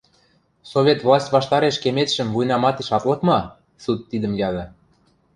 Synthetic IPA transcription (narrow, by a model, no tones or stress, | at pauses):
sovʲet̪vlˠɑsʲtʲβɑʃt̪ɑɾeʃkemet̪ʃə̆mvujnɑmɑt̪eʃɑt̪lɤ̆kmɑ | sut̪ːid̪ə̆mjɑɣɤ̆